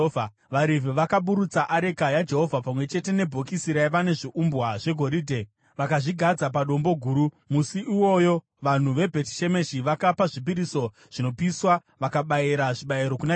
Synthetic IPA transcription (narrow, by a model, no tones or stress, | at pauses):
ʋaɾiveʋakaɓuɾut͡saʔaɾe̞kajad͡ʒe̞ɦo̞vʱapamwe̞t͡ʃe̞te̞ne̞bʱokisiɾajʋane̞ʐiʔumbwaʐe̞ɡʱo̞ɾiːdʱe̞ | ʋakaʐiɡʱad͡zap̬aɗo̞mbo̞ɡʱuːɾu | musiʔːwo̞jo | ʋan̤uʋe̞bʱe̞ti̥ʃe̞me̞ʃiʋakapaʐipiɾiso̞ | ʐ̥ino̞piswa | ʋakaɓajiɾaʐiɓaiɾo̞kuna